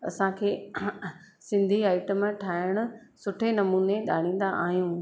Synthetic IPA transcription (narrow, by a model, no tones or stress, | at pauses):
ɐ̰sãkʰeː | sɪ̃nd̪ʱiaːɪʈəmʈʰaːɪɽ̃ʊ̆sʊʈʰenɐmuːneɗaːɽ̃ĩːn̆d̪aʔaːɦijũː